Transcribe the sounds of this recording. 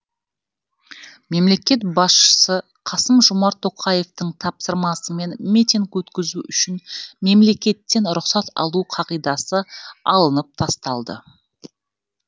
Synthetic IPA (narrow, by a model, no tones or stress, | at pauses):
me̞mle̞kʲe̞t̪̚bɑsʃə̥sə | qʰɑsəmʒʊmɑɾt̪ʰːo̞qʰɑje̞ft̪əɴt̪ʰɑpsəɾmɑsəme̞nmit̪ʲiŋkwɵt̪kʲɪzuʔʏʃɪnme̞mle̞kʲe̞t̪ːe̞nɾʊqsɑt̪ɑ̰lˠuqʰɑʁijd̪ɑsəɑ̰lˠənəp̚t̪ʰɑst̪ɑlˠd̪ə̰